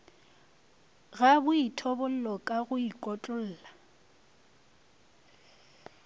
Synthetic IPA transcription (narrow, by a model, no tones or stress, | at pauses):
ɣabʊitʰɔbʊl̩lɔkʼaɣʊikʼɔt͡ɬʼʊl̩ːla